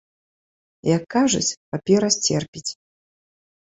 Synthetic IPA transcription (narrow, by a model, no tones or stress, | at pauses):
jɐkːaʐṵt͡sʲpapʲɛɾɐsʲt͡sʲɛrpʲit͡sʲ